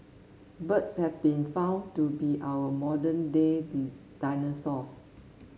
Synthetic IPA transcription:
bətshɛvbĩnfãw̃ntubiʔawəmɔdə̃ndedid̥ajnəsɔs

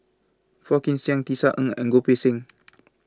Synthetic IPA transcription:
fɔkinsjaŋt̪isaʔəŋəŋɡopesɪŋ

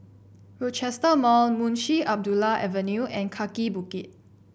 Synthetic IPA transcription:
ɹɔt͡ʃɛstəmɔlmũnʃiʔap̚dulaʔɛvənjuʔɛ̃nkʰakibukit̚

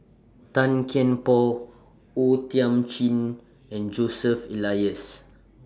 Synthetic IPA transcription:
t̪ãnkʰɛ̃npɔ | ot̪iãmt͡ʃĩn | ɛ̃nd͡ʒosəfilajəs

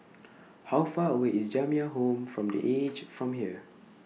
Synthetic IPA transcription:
hawfaːəweʔisd͡ʒãmiəɦõmfɹɔ̃mdḭʔed͡ʒfɹɔ̃mɦiə

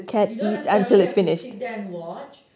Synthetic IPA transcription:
kʰɛ̃nitə̃ntɪlɪtsfɪnɪʃt

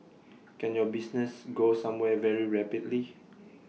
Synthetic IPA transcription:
kɛ̃njɔbisnɛsɡosãmwɛvɛɹiɹɛpidli

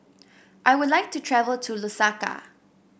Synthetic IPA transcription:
ʔajwʊdlaɪjk̚tutʰɹɛvəltʰulusaka̰

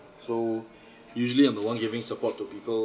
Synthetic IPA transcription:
so | juʒəliãjmd̪ðəwãnɡɪvɪ̃ŋsəpɔtʰːupiːpəl

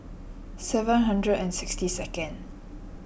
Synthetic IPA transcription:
sɛvə̃nɦãndɹədɛ̃nsɪkstisɛkə̃n

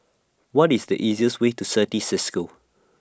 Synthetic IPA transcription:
wɔtisdəʔiziəstwetusətisɪskə

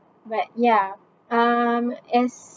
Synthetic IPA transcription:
bʌt̚jæ | ʌ̃mɪs

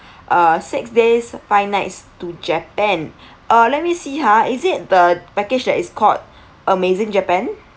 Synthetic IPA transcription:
ʔasɪksdesfajnaɪtstud͡ʒɛpɛ̃n | ʔəlɛt̚misiɦaizɪt̚dəpɛkɪd͡ʒdɛtiskʰɔt̚ | ʔəmezɪ̃ŋd͡ʒɛpɛ̃n

